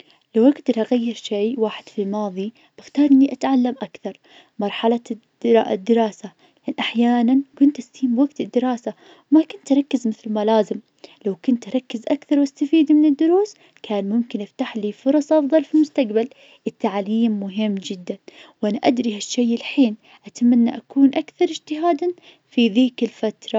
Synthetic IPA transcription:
lawʔaɡd̪ɑɾˤʔaɣajːɪɾʃeːwaːħɪd̪̥filmɑːðˤi | b̥ɪxt̪ɑːɾˤʔɪnːiʔat̪ʕalːamʔakθɑɾˤ | mɑɾˤħala̰ | d̪ːɪɾɑːsa | ʔɪnːʔaħjaːnankʊnt̪ʔast̪iːmwaɡt̪ɪd̪ːɪɾɑːsa | wmakʊnt̪ʔɑɾˤɑkːɪzmɪθlmalaːzɪm | lawkʊnt̪ʔɑɾˤɑkːɪzʔakθɑɾwast̪afiːd̪mɪnɪd̪ːʊɾuːs | kaːnmʊmkɪnʔɪft̪aħliːfʊɾˤɑsˤʔɑfðˤɑlfilmʊst̪aqbal | ʔɪt̪ːaʕliːmːʊɦɪmːd͡ʒɪd̪ːanwʔanaʔad̪ɾihaʃːajʔɪlħiːn | ʔat̪manːaʔakuːnʔakθɑɾˤɪd͡ʒt̪ɪɦaːd̪an | fiðiːkɪlfat̪ɾˤɑ

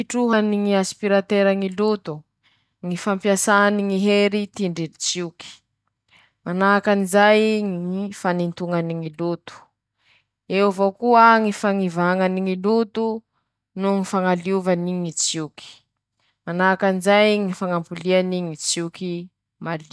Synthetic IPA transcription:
iʈ͡ʂuɦaniŋiaspiɾat̪eɾaŋilut̪u | ŋifampjasaniŋiɦeɾit̪iɳɖ͡ʐiit͡siuki̥ | manakanizajŋifanint̪uŋaniŋilut̪u̥ | ewvokuəŋifaŋivaŋaniŋilut̪u | nuŋifaŋaliuvaniŋit͡siuki̥ | manakanizajŋifaŋampulianiŋit͡siuki | mali

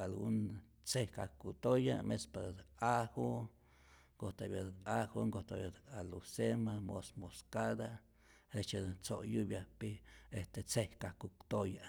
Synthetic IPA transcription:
alɡun | t͡sehkakut̪oja̰mespaahu | ŋɡot̪abjaahoŋɡot̪a̰bjaalusemamo̰smoskad̪a | et͡ʃat͡soʔjubjapiest̪et͡sehkakut̪oja

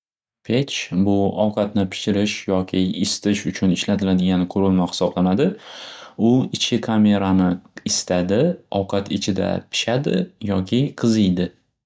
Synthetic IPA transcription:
pʰet͡ʃbʊɒwqʰɑt̪nɪpʰɪ̥ʃɪɾɪʃjɒkʲʰɪɪst̪ɪʃʊt͡ʃʰʊnɪʃlat̪ʰɪlad̪ɪɡʲanɪqʰʊɾɪlˠmaχɪ̥sɒblanad̪ɪ | ʊɪt͡ʃʰɪkʰame̞ɾanɪɪst̪ʰad̪ɪɒ̰wqʰɑt̪ʰɪt͡ʃʰɪd̪a̰pʰɪ̥ʃad̪ɪ̰jɒkʲʰɪqʰɨzɪjd̪ɪ

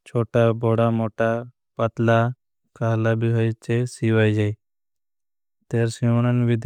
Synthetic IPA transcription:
t͡ʃʰoːʈaːbɔɽamoːʈaː | pət̪laː | kʰaːlaːbʱiɦɔjt͡ʃesiʋajd͡ʒai | t̪eːɾsimnənbid̪

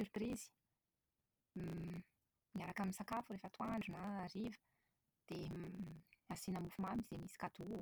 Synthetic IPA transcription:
yɾprizi̥ | miɲaɾakaminsakafuɾefət̪uaɳɖ͡ʐunaɾivə̥ | d̪̥e | asinamufumamizemisi̥kat̪u

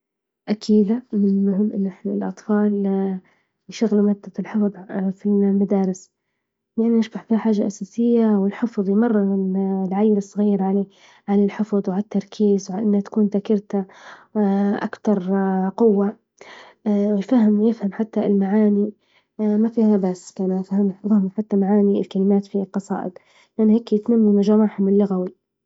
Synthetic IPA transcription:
ʔakʰiːd̪amɪnʊʕʊmʔɪnːʔɪħnalʔɑ̰t̪ˤfɑːl | jʃaɣlmad̪ːaɪlħɪfðˤfimad̪aːɾɪs | lʔanːnɪʃbaħfiːħaːʒːaʔasaːsɪjːawɪlħɪfðˤjmɑrˤːmɪnlʕajːɪlɨsˤːɣiːɾʕaleː | ʕanɪlħɪfðˤwʕalat̪ːɑɾˤkʰiːzwʕaʔɪnːhat̪ḁkuːnt̪akɪɾt̪a | ʔa̰kt̪ɑɾˤqʊwːa | wɪjfaɦɪmjɪfhamħat̪ːalmaʕaːni | mafiːhabasːkanafhamfahmħat̪ːamaʕaːniɪlkalɪmaːt̪filqɑsˤɑ̰ːʔɪ̰d̪ | lʔaniheːkːjɪt̪mamːimaʒamaːʕħhʊmɪlːʊɣawi

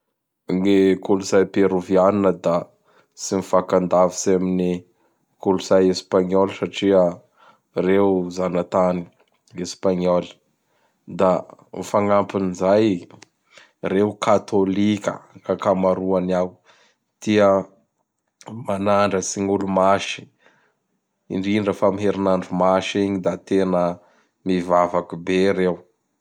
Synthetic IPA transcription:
nekuluzajpeɾovianinəd̪a | simifakand̪avisamini | kuluz̥ajespaɲolsaʈ͡ʂiə | rewzanat̪ani̥ | espaɲolə̥ | d̪amifaŋampinizaj | rewukʰat̪olikʲə̰kakamaɾuaniaw | d̪̥iə | manaɳɖ͡ʐəsiŋulumaʃi̥ | ḭɳɖ͡ʐiɖ͡ʐafamiɦeɾinaɳɖ͡ʐumaʃiɲid̪at̪enə | mivavakubeɾew

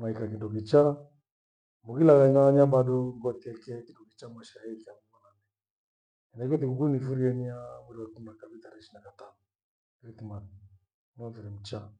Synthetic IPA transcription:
maikakindɔkit͡ʃa | mukilaɣanaɲaɓaɗɔŋɡɔt̪iɛkɛkindɔkit͡ʃamaʃaikakumananɛ | ɛnaiɔt̪ikuɡunifuɾiɛniamuɾiwakum̩nakabit̪aɾɛʃinakat̪anɔ | kiitima | nɔfiɾɛm̩t͡ʃa

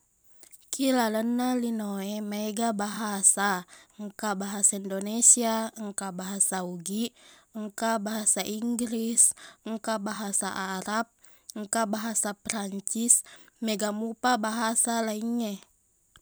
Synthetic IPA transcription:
kʰilalənːalinoemaeɡabaɦasaŋkabaɦasaindonesiaŋkabaɦasauɡiəŋkabaɦasaʔiŋɡɾisəŋkabaɦasa̰ʔaɾap̚ | ŋkabaɦasapɾaɲt͡ʃismeɡamupabaɦasalaiɲːe

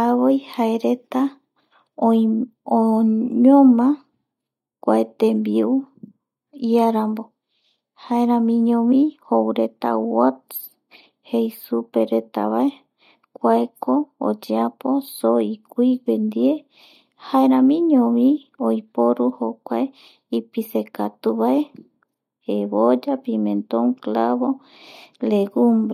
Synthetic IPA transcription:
aβojhae̞ɾe̞t̪a | ooɲõmã | kʷaet̪embiu | iaɾambo̞ | haeɾãmĩɲõmĩhowɾe̞t̪a̰wot̪s | hejsupe̞ɾe̞t̪a̰βae | kʷaekoo̰d͡ʒeaposoikʷipend̪ie | haeɾãmĩɲõβĩ | ojpoɾuhokʷae | ipisekat̪uβae | eβod͡ʒapĩmẽnt̪õŋklaβo | leɡumbɾe

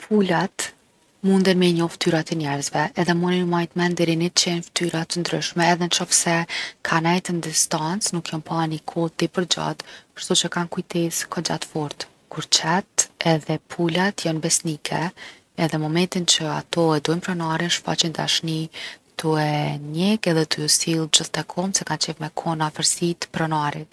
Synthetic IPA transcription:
pʰulat̪ | mund̪ɛɾmɛɲɔft̪yɾat̪ɛnɛɾzvɛːðɛmuninmajt̪mɛnd̪ɛɾinɛt͡ʃɛnft̪yɾat̪ənd̪ɾy̰ʃmɛːðɛnt͡ʃɔfsɛkʰanajt̪ənd̪ist̪ant͡snukjɔnpanikʰɔt̪ipəɾd͡ʑa̰t̪ʃt̪ut͡ʃəkankujt̪ɛskʰɔd͡ʑa̰t̪fɔɾt̪ | kuɾt͡ʃɛt̪ɛðɛpʰulat̪jɔnbɛsnikʰɛ | ɛðɛmɔmɛnt̪int͡ɕəat̪ɔɛd̪uɛmpɾɔnaɾinʃfa̰t͡ʃind̪a̰ʃnit̪uɛɲɛkɛðɛt̪ʰusilˠd͡ʑəθt̪ɛkʰɔmsɛkant͡ʃɛvmɛkʰɔnafəɾsit̪pɾɔnaɾi

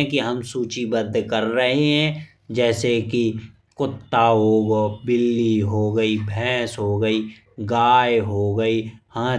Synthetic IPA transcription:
ɛ̃kiɦəmsuːt͡ʃibəd̪ʱːkəɾːɐɦeɦɛ̃ː | d͡ʒɛːseki | kʊt̪ːaɦoːɡobɪlːiɦoːɡəibʱɛ̃ːsɦoːɡəiː | ɡaːjɦoɡəiːhãː

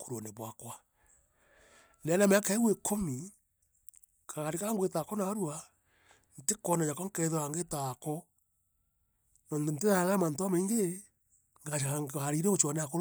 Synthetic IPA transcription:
kuɾoneβwakwa | lɛnameakaewekʰomi | kʰaaɾekaŋɡwetakɔnaːɾwa | n̩tekɔnaɲakɔŋkɛðoaŋɡetakɔ | nɔntonteðaalamantoamaiŋɡe | ŋɡahaɾiɾeot͡ʃwaneako

